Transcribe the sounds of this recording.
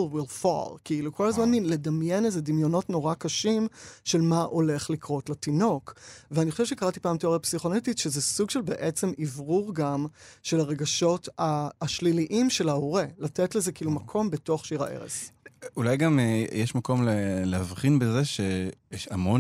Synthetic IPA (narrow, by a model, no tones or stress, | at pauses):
lwilfa̰lkiilukʰo̞lazmanile̞damjenezed̪imjo̞notno̞ʁakaʃimʃe̞lmaʔo̞le̞χlikʁotletino̞kveanixχoʃeʃekaʁati̥paːmteoʁapsiχonetitʃezesuɡʃe̞lbeʔet͡se̞mivʁuʁɡamʃe̞laʁe̞ɡaʃo̞taːʃliliʔimʃe̞laoʁelatetlezekiilumakʰo̞mbe̞to̞χʃiʁa̰ʔḛʁḛsulajɡamjɛʃmako̞mleleavχinbezeʃejɛʃamo